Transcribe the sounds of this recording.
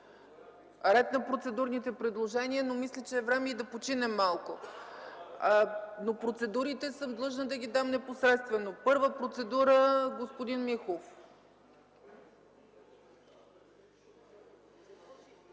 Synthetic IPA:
ɾɛt̪nɐpɾot̪sɛd̪uɾnit̪ɛpɾɛd̪lˠoʒɛniənomislʲət͡ʃɛːvɾɛmɛid̪ɐpot͡ʃinɛmːalˠko | nopɾot̪sɛd̪uɾit̪ɛsɤmd̪lˠɤʒnəd̪ɐɡʲid̪amnɛposɾɛt̪st̪vɛnopɤɾvəpɾot̪sɛd̪uɾəɡospod̪inmixof

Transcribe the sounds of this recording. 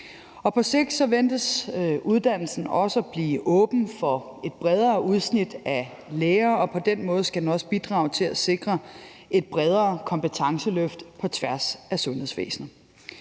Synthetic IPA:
ɒ̽pʰɒ̽se̝ɡ̥d̥sɒ̽ʋend̥əsuðˠd̥æn̰l̩sn̩ɒ̽səb̥lḭːʔɔ̽ːb̥n̩fɒ̽e̝d̥̚b̥ʁɛð̞ˠɐːuð̞ˠsnid̥æ | leːɐːɒ̽pʰɒ̽d̥enmɔ̽ːð̞̩ˠsɡ̥ædnɒ̽sə̥b̥id̥ʁɑ̈ːʊt͡sʰe̝læse̝ɡ̥ʁɐ | e̝d̥̚b̥ʁɛð̞ˠɐːkʰɒ̽mpət͡sʰɑ̈ŋsəløfd̥pʰɒ̽t͡sʰʋæɐsæsɔ̽nheðˠsʋḛːsnɐ

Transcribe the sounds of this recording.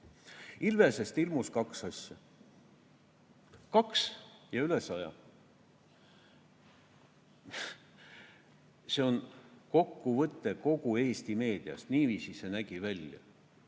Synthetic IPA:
ilve̞se̞st̪ilmuskɑksɑsʲjɑ | kɑksjɑyle̞sɑjɑ̰ | se̞o̞nko̞kːuvɤt̪ːe̞ko̞ɡ̥ue̞ːst̪ime̞ːd̪̥iɑ̰st̪niːviːsise̞næɡ̥ivælʲjɑ̰

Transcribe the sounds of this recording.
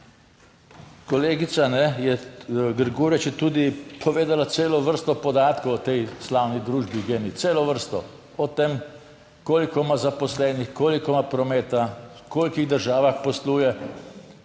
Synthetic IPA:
kɔleːɡit̪sanɛjɛɡəɾɡoːɾɛt͡ʃjɛt̪uːd̪ipʰɔʋeːd̪alat̪seːlɔʋəɾst̪ɔpɔd̪aːt̪kowɔt̪ɛjslaːwnid̪ɾuːʒbiɡeːnit̪seːlɔʋəɾst̪ɔ | ɔt̪em | koːlikɔmazapɔslɛːnixkoːlikɔmapɾɔmɛːt̪a | koːlkiɣd̪əɾʒaːʋaxpɔsluːjɛ

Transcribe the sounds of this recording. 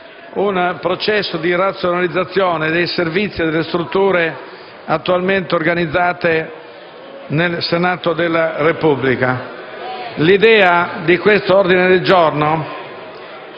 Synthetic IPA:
unpɾot͡ʃɛsːod̪irat̪sːjonalid̪zːat̪sːjɔːned̪ejservit̪sːid̪elːest̪ɾut̪ːuːɾe | at̪ːualment̪eorɡanid̪zːaːt̪e | nelsenaːt̪od̪elːarepublika | lid̪ɛːad̪ikwest̪oord̪ined̪eld͡ʒorno

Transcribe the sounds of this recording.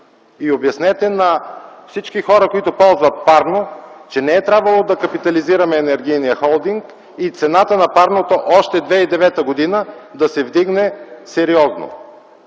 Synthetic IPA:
iobjɐsnɛt̪ɛnɐfsit͡ʃkixɔɾɐkoit̪ʊpɔlˠzvɐt̪̚paɾnot͡ʃɛnɛːt̪ɾʲabvɐlˠod̪ɐkɐpit̪ɐliziɾɐmɛːnɛɾɡ̟ijnijəxɔlˠd̪iŋk | it̪sɛnat̪ənɐpaɾnot̪oʔɔʃt̪ɛd̪vɛid̪ɛvɛt̪əɡod̪inəd̪ɐsɛvd̪iɡnɛsɛɾiɔzno̰

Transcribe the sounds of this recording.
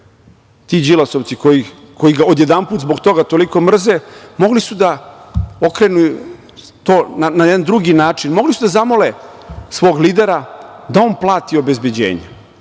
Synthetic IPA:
t̪iːd͡ʑilasoʋt̪sikoji | kʰo̞jiɡaod̪je̞d̪anpuːt̪zbo̞kt̪o̞ɡat̪o̞liko̞mr̩zemo̞ɡlisud̪a | o̞kɾenuju | t̪oːnanajed̪and̪ɾuɡinaːt͡ʂinmo̞ɡlisud̪azamo̞lesʋo̞ːɡliːd̪e̞ɾad̪ao̞ːnplˠaːt̪io̞be̞zbed͡ʑḛːɲe

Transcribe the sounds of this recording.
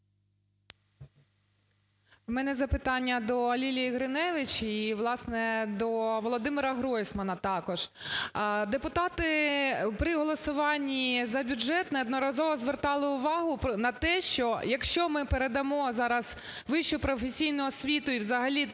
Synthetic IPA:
mɛnɛzɐpɪt̪ɑnʲːɐd̪ɔːlʲilʲijiɣɾɪnɛʋɪt͡ʃiʋlˠɑsnɛd̪ɔʋɔlˠɔd̪ɪmɪɾɐɦɾɔjsʲmɐnɐt̪ɑkɔʒ̥ | d̪epʊt̪ɑt̪ɪpɾɪɦɔlˠɔsʊʋɑnʲːizɐbʲʊʒɛt̪nɛɔd̪nɔɾɐzɔʋɔzʋert̪ɑlˠɪʊʋɑɦʊnɐt̪ɛʃt͡ʃɔjɐkʃt͡ʃɔmɪpeɾed̪ɐmɔzɑɾɐz | ʋɪʃt͡ʃʊpɾɔfesʲijnʊɦɔsʲʋʲit̪ʊiwzɐɦɐlʲi

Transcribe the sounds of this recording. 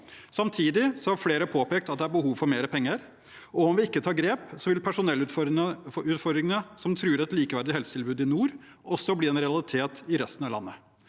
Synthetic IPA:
sɑmt̪ʰiːd̪ɪsɔhɑɾfleːɾəpʰoːpeːkt̪ɑt̪̚d̪ɛæɾbəɦuːʋfɔɾmeːɾəpʰɛŋːəɾ | ɔɔmʋɪɪkːət̪ʰɑːɡɾeːpsɔʋɪlpʰæʂʊnɛlː | ʉːt̪fɔd̪ɾɪŋənəsɔmt̪ʰɾʉːɾɛt̪liːkəʋæɾɖɪhɛlsə̥t̪ʰɪlbʉːd̪ɪnuːɾ | ɔsɔbliːɛnɾɛɑlɪt̪ʰeːt̪ɪɾɛst̪ənɑʋlɑ̰nːə

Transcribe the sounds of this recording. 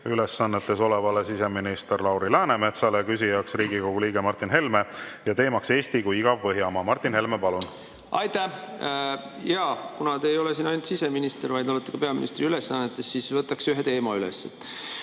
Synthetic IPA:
yle̞sːɑnːet̪ːˑe̞so̞levɑlesise̞minist̪erlɑwɾilæːneme̞t̪sɑlekysijɑksriːɡikoɡ̥uliːɡ̥emɑrt̪ːˑinɦe̞lme̞jɑt̪e̞ːmɑkse̞ːst̪ikujiɡ̥ɑvpɤɦjɑmɑmɑrt̪ˑːinhe̞lmepɑlun | ɑjt̪æ | jɑkunɑt̪eːjo̞lesiːnɑjnut̪sise̞minist̪eɾvɑjd̪olet̪ːˑekɑpe̞ɑmḭnʔḭst̪riyle̞sːɑnːet̪ːˑesːisvɤt̪ːˑɑkseyɦet̪e̞ːmɑylḛsːe

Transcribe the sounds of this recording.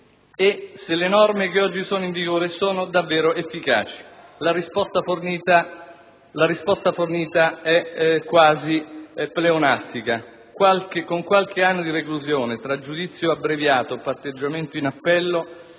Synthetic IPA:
eselenɔrmek̟eɔd͡ʒːisoːnoiɱviɡoːɾesoːnod̪avːɛːɾoefːika̰ːt͡ʃi̥laɾispɔst̪aforniːt̪a | laɾispɔst̪aforniːt̪aɛkwaːzipːleonast̪ika | kwalkekoŋkwalk̟eanːod̪irekluzjoːnet̪ɾad͡ʒːud̪it̪sːjoabɾevjaːt̪opart̪ed͡ʒːament̪oinapːɛlːo

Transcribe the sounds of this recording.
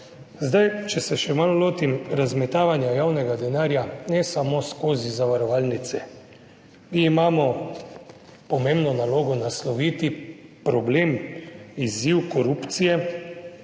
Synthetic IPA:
zd̪ajt͡ʃɛsɛʃɛmalloːt̪imɾazmɛt̪aːʋanjajaːwnɛɡad̪ɛnaːɾjanɛsamoskoːzizaʋaɾɔʋaːlnit̪sɛ | miːmaːmɔ | pɔmembnɔnaloːɡɔnaslɔʋiːt̪ipɾɔblemiziwkɔɾuːpt̪sijɛ

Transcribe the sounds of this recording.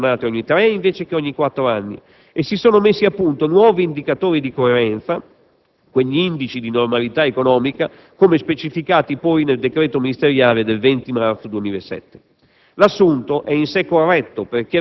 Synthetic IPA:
naːt̪eɔɲːit̪ɾɛiɱveːt͡ʃekeɔɲːikwat̪ːɾoanːḭ | esːisoːnomesːiapːunt̪onwɔːviːnd̪ikat̪oːɾid̪ikoeɾɛnt̪sa | kweʎːiind̪it͡ʃid̪inormalit̪aekonɔːmika | komespet͡ʃifikaːt̪ipɔjneld̪ekɾeːt̪ominist̪eɾjaːled̪elvɛnt̪imart̪sod̪wemiːlesɛ̰t̪ːe̥ | lasːunt̪oʔɛinsekːorːɛt̪ːoperk̟e

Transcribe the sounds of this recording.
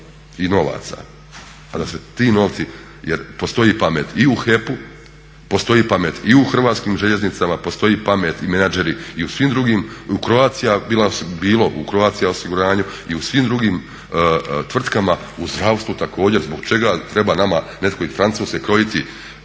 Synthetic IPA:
ino̞ʋa̰ːt̪sa̰ | ad̪aset̪iːno̞ːʋt̪si | jeɾpo̞st̪o̞jipameːt̪iuxe̞pu | po̞st̪o̞jiːpame̞ːt̪iuxr̩ʋaːt̪skiːmʒeʎe̞znit̪samapo̞st̪o̞jiːpame̞ːt̪imenad͡ʒe̞ɾiiusʋiːmd̪ɾuɡiːmukɾo̞aːt̪sijabilasbiːlo̞ʔukɾo̞aːt̪sijao̞siɡuɾaːɲuiusʋimd̪ɾuɡiːm | t̪ʋr̩t̪kama | uzd̪ɾaʋst̪ʋut̪ako̞ːd͡ʑe̞ɾzbo̞ɡt͡ʃe̞ɡat̪ɾe̞baːnamane̞t̪koifɾant̪suːskʲekɾo̞jit̪i

